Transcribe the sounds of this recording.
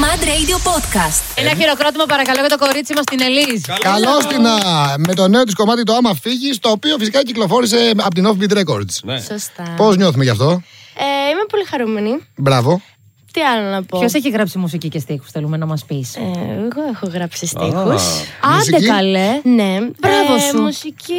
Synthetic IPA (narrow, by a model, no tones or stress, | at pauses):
mɐd̪ɾeid̪iopot̪kɐst̪enɐçiɾo̞kɾo̞t̪̬imɐpɐɾɐkɐlo̞ʝɐt̪o̞ko̞ɾit͡simɐst̪ine̞liskɐlost̪inɐme̞t̪o̞ne̞ot̪isko̞mɐt̪it̪oɐmɐfiʝist̪o̞ːpio̞fisikɐciklo̞fo̞ɾis̬e̞ɐpot̪inofbit̪ɾe̞ko̰ɾd̪ssost̪ɐpo̞zɲo̞θumeʝɐft̪o̞eimepo̞lixɐɾumenibɾɐvo̞ | t̪iɐlonɐpoçoseçizɣɾɐpsimusicicest̪ixu̥sθelume̞nɐmɐspisɣoexoɣɾɐpsist̪ixusɐseɐlenebɾɐvoumusici